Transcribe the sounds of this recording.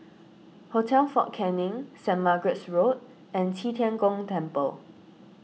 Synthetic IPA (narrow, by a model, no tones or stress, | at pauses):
hotʰɛlfɔʔ̚kʰɛ̃nɪ̃ŋsɛ̃nmaɡɹɛtsɹot̚ | ɛ̃ntʰitʰɛ̃nkɔ̃ŋtʰɛ̃mpəl